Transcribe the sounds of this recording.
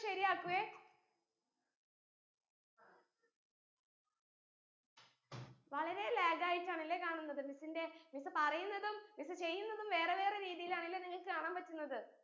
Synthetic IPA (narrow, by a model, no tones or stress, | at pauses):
ʃɐɾijaːkːuʋe | ʋɐɭɐɾe̞leːɡaːjitːaːɳilːekaːɳunːɐðɨmisinde̞misɨpɐrɐjunːɐðummisɨt͡ɕe̞jːunːɐðumʋe̞ːreʋe̞ːreɾiːðijilaːɳilːeniŋːɐɭkɨkaːɳaːmpʋɐtːunːɐðɨ